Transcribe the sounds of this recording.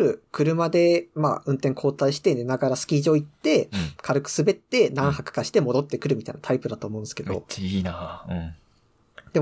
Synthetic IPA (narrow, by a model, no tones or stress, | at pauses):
ɾɯ̟kɯ̟ɾɯ̟mad̪e̞ma̰ɯ̟̃nt̪ẽ̞ŋkʰo̞ːt̪aiɕi̥t̪e̞nenaɡaɾasɨ̥kʲiːʑoːit̪ːe̞kʰaɾɯ̟kɯ̟̥sɨbe̞t̪ːe̞nãɰ̃hakɯ̟̥kaɕi̥t̪e̞mo̞d̪o̞t̪ːe̞kɯ̟ɾɯ̟mʲit̪a̰ḭnat̪ʰaipɯ̟d̪at̪oːmo̞ɯ̟̃nesɨ̥ke̞d̪o̞̰ina | d̪̥e̞m